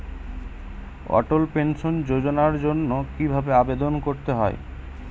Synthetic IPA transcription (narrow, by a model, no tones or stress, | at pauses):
ɔ̰ʈolpenʃond͡ʑod͡ʑonaɾd͡ʑonːokibʱabeabed̪onkoɾt̪eɦɔ̰e